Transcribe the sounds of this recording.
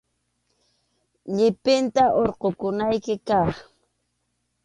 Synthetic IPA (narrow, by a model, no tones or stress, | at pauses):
ʎɪpɪnt̪aʔoɾqokʊnajkɪkɑχ